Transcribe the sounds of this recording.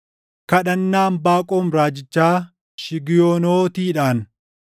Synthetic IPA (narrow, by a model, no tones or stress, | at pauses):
kɐᶑɐnːaːmbaːkʼoːmɾaːd͡ʒɪt͡ʃːaː | ʃɪɡɪjoːnoːt̪iːᶑaːn